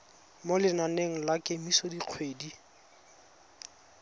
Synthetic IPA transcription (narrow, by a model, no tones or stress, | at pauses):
molɪnaneŋ̩lakʼemisodiq͡χʰweːdi